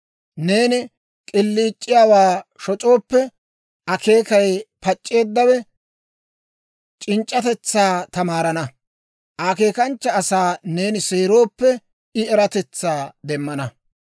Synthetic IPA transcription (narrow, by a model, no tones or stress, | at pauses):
ne̞ːnɪ | kʼɪlːiːt͡ʃʼːɪjaːwaːʃɔt͡ʃʼo̞ːpːɛ | ʔɐke̞ːkɐjpɐt͡ʃʼːe̞ːd̪ːɐwɛ | t͡ʃʼɪnt͡ʃʼːɐt̪ɛt͡sːaːt̪ɐmaːɾɐnɐ | ʔake̞ːkɐnt͡ʃːɐːsaːne̞ːnɪseːɾo̞ːpːɛ | ɪɛɾɐt̪ɛt͡sːaːd̪ɛmːɐnɐ